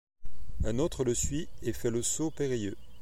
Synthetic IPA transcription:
ɛ̃not̪χələsɥiefɛləsopeʁijø

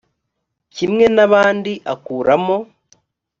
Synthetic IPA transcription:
cimŋe̞naβaːndiʔakuːɾamo̞

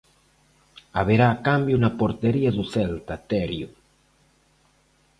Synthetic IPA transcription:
aβeɾaːkambjuunapoɾt̪eɾiaðuθɛlt̪at̪eɾju

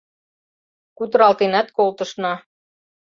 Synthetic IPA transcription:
kut̪ɤ̆ɾɑlt̪enæt̪kolt̪ɤ̆ʃnɑ

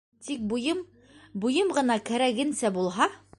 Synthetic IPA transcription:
t̪ik̚bujɤm | bujɤmʁɤ̆nɑkæɾæɡɘ̆nsæbulˠɦɑ

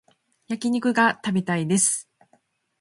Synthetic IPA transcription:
jakʲiɲ̟ikɯ̟ɡat̪abet̪aid̪e̞sɨ̥

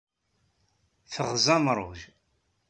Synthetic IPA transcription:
θəʁzɑmɾˤo̰ʒ

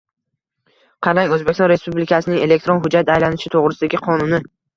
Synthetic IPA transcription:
qʰɑɾaŋɵzbekʲɪsɒnɾe̞spublɪkʲʰasɪnɪŋe̞le̞k̚ʲt̪ɾonɦʊd͡ʒat̪ajlanɪʃɪt̪ʰoʁɾɪsɪd̪aɡʲɪqʰɒnʊnɪ

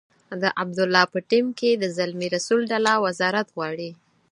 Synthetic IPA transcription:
d̪əʔab̚d̪ʊlːɑpəʈimked̪əzalmiɾasulɖalawazɑɾat̪ɣwɑɽi

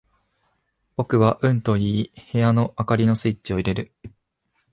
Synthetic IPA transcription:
bo̞kɯ̟βaʔɯ̟̃nt̪o̞iːhe̞jano̞ʔakaɾʲino̞sɨit͡ɕio̞iɾe̞ɾɯ̟

